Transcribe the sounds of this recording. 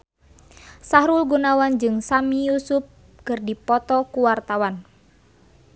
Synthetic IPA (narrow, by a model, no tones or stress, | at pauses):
saɦɾulɡunawand͡ʒɨŋsamijusup̚ | kɨrdipɔt̪ɔkuwart̪awan